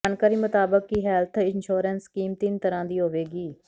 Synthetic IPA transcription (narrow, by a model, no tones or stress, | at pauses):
ankəɾiːmət̪aːbəkːiɦɛːlt̪ʰɪnʃuːɾənskiːmt̪ɪnt̪əɾãːd̪iːɦoːʋeːɡiː